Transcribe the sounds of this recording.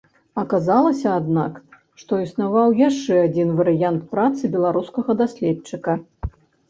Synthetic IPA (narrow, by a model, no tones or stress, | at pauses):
ɐkazalˠɐsʲɐːd̪nak | ʂt̪ɔisnavawjaʂt͡ʂɛad͡zʲinvɐɾɨjant̪̚pɾat̪sɨbʲɛlˠaɾuskɐɣɐd̪asʲlʲɛt͡ʂɨkɐ